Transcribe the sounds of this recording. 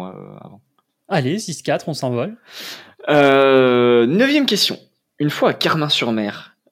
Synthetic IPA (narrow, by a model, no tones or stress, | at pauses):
a̰ã̰ | alesiskʲat̪χɔ̃sɛ̃vɔl | ø | nœvjɛmkʲɛst̪jɔ̰̃ | ynfwakaʁmɛ̃syʁmɛːʁ